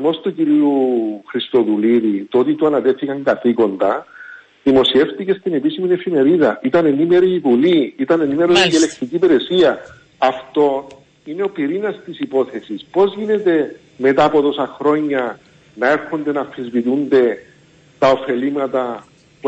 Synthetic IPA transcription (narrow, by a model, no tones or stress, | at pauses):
mo̞st̪uciɾiuxɾist̪o̞ðuliðit̪o̞t̪it̪uɐnɐt̪e̞θikɐŋɡɐθiko̞nd̪ɐ | ðimo̞sie̞ft̪ice̞st̪ine̞pisimine̞fime̞ɾiðɐʔit̪ɐne̞nime̞ɾiːvuliit̪ɐne̞nime̞ɾozelekt̪icipeɾe̞siɐ | ɐft̪o̞ | ine̞o̞piɾinɐst̪isipo̞θe̞sispo̞zʝine̞t̪e̞ | me̞t̪aːpo̞t̪o̞sɐxɾo̞ɲːɐ | nɐe̞ɾxond̪e̞nɐfizvit̪und̪e̞ | t̪ɐo̞fe̞limɐt̪ɐ | p